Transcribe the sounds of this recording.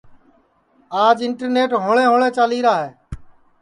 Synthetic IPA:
aːd͡ʒɪɳʈəɾneːʈɦoːɭẽːɦoːɭẽːt͡ʃaːliːɾaːɦeː

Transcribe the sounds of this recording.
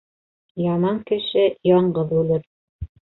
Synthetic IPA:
jɑmɑŋkɘ̆ʃɘjɑɴɢɤðʉlɘɾ

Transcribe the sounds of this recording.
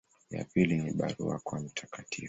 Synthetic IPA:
ja̰piliniɓaɾuakwam̩tʰakatʰifu

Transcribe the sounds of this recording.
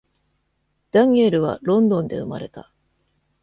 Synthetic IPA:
d̪̥ãŋe̞ɾɯ̟βa̰ɾõ̞nd̪õ̞nd̪e̞̰ɯ̟ma̰ɾe̞t̪a

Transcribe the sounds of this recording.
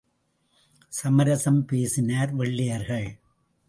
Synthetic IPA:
sɐmɐɾɐsɐmpeːsɪnaːɾʋɛɭːɪjɐɾɣɐɭ

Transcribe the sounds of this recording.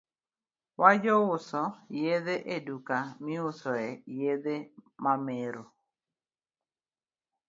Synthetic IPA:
wʔad͡ʒɔʊsɔjed̪eʔedukamɪʊsɔɛjed̪emameɾo

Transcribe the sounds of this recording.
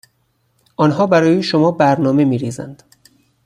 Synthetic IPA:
ʔɒːnɦɒːbæɾɒːjeʃomɒːbæɾnɒːme̞miːɾiːzæ̰nd̪̥

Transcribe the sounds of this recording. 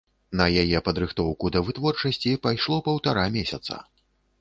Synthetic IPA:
nɐjajɛpɐd̪ɾɨxt̪ɔwkud̪ɐvɨt̪vɔrt͡ʂɐsʲt͡sʲipajʂlˠɔpɐwt̪aɾamʲesʲɐt̪sɐ̰

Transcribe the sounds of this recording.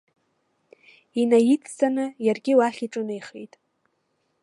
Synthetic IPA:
inajit͡sʰt͡sʼanɨjarɡʲɪwaχʲiʈ͡ʂʼɨnɨiχḛjtʼ

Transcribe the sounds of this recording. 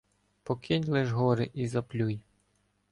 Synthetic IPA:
pɔkʰɪnʲlˠɛʒɦɔɾɪʔizɐplʲuj

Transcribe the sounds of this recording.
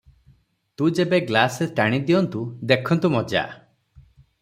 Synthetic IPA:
t̪ud͡ʒebeɡlasesʈaɽ̃id̪iɔnt̪ud̪ekʰɔnt̪umɔd͡ʒa̰

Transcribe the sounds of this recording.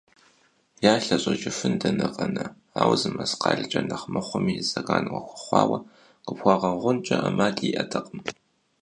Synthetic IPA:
jaːɬɐɕʼɐd͡ʒʼɪfɨndɐnɨqʼɐnɐ | aːwzɨmɐsqɑːɮt͡ʃʼɐnɐχmɐχʷʊmiːzɐɣaːnɨwɐxʷʊ̥χʷɑːwɐ | qəpxʷɑʁɐʁʷʊnt͡ʃʼɐʔɐmaːtʼiːʔɐtʰɐqʼəm

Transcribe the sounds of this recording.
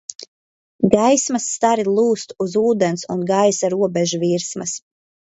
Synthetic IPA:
ɡajsmasːt̪aɾilˠuːst̪uzuːd̪ensunɡajsaɾuɔbɛʒuviɾsmɐs

